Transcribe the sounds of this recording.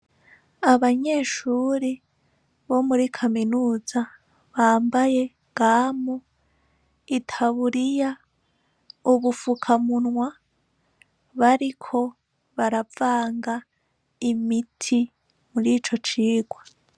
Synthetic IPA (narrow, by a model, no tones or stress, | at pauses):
aβaɲe̞ːʃuːɾi | βo̞muɾikʰaminuːza | βaːmbaje̞ | ɡ̥aːmo | itʰaβuɾija | uβufukʰamunwa | βaɾikʰo̞ | βaɾavaːŋɡa | imitʰi | muɾiːt͡ʃo̞t͡ʃiːɡwa